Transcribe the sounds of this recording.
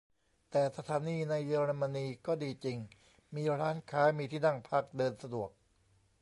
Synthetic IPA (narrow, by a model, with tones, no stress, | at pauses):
t̪ɛː˨˩sa˧t̪ʰaː˨˦niː˧na˧jːɯː˧ɾa˧ma˧niː˧kɔː˥˩diː˧t͡ɕi˧ŋ | miː˧ɾaː˦˥nkʰaː˦˥miː˧t̪ʰiː˥˩na˥˩ŋpʰa˥˩k̚dɤː˧nsa˧du˨˩ək̚